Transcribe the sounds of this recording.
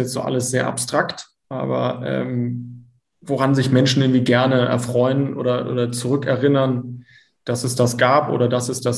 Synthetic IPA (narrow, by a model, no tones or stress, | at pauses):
jɛt͡stz̥o̰ːʔa̰ləsz̥eːɐʔa̰pstʁ̥akt | ʔa̰ːbɐ̰ʔɛ̰ːm | voʁanzɪçmɛnʃn̩ʔɪɐŋ̩tviːɡɛɐnəɛ̰ɐfʁ̥ɔʏənʔo̰ːdɐʔo̰ːdɐt͡suʁʏkɛɐʁɪnɐn | d̥asɛsd̥asɡ̥aːpʔo̰ːɾɐdasɛsd̥as